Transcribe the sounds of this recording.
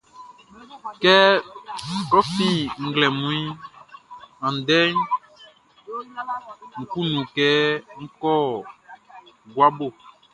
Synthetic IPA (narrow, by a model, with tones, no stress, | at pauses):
kɛ˦ | ɾɔ˦fĩ˦ŋ̩˦ɡlɛ˨mũ˦i˦ | ã˨n˨dɛ˦ɲ | ŋ̩̃˨ku˦nũ˨kɛ˦ŋ̩̃˦kɔ˦ | ɡwa˦bo˦˨